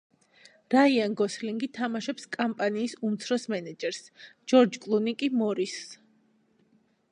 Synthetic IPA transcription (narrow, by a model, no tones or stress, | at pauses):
ɾaianɡɔsliŋɡit̪ʰamaʃɛpskʼampʼaniːsumt̪sʰɾɔsmɛnɛd͡ʒɛɾsd͡ʒɔɾd͡ʒkʼlˠunikʼimɔɾis